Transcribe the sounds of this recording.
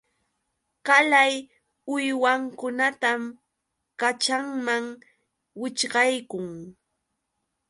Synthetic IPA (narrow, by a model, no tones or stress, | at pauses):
kalaj | ʊjwaŋkʊnat̪am | kat͡ʃaŋmaŋ | wɪt͡ʃɢɑjkʊŋ